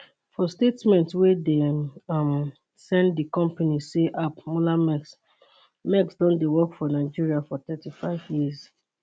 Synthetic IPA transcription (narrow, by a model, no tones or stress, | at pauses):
fɔstetmɛ̃ntswɛdem | sɛ̃nddikɔ̃mpaniseʔapmolamɛs | mɛksdɔ̃ndewɔkfɔnaɪd͡ʒiɹiafɔtɛtifaɪvjiz